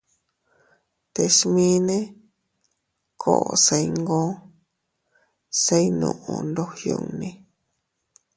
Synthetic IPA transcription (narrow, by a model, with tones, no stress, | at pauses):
t̪e˧ʃmĩ˦nẽ˦ | kʰo̰˧˨ʔo˨˧se˧i˧ŋɡõ˦ | se˧i˦nṵ̃˧ʔũ˧nd̪o˦hjo̰˧ŋnĩ˧